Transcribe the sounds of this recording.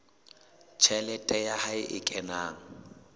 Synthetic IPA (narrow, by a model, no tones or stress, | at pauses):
t͡ʃʰɛlɛtʼɛjahaɪʔɪkʼɛnaːŋ̩